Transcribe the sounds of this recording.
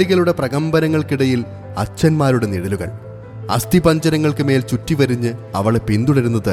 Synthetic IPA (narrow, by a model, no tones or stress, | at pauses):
iɣɐluɽe̞prɐɣɐmbɐnɐŋːɐɭkiɽɐjil | ɐt͡ɕːɐnmaːɾuɽe̞niɽɐluɣɐ̰ɭ | ɐ̰st̪ibɐɲd͡ʑɐɾɐŋːɐɭkɨme̞ːlt͡ɕutːiʋɐɾiɲːɨɐʋɐɭepind̪uɽɐɾunːɐðɨ